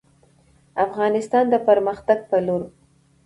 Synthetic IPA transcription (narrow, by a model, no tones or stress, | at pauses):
afɣɑnɪst̪ɑnd̪əpəɾməxt̪aɡ̚pəloɾ